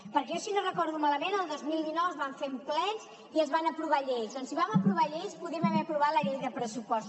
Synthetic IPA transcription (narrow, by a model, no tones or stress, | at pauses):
pəɾkɛɔsinorəkɔɾðumaləmenəlˠd̪ozmilˠd̪inɔwəzβaɱfemplɛnz | iəzβanəpɾuβaʎejzðɔnsiβ̞aməpɾuβ̞aʎejspuðiɛməβɛəpɾuβ̞at̪ləʎejðəpɾəsupɔs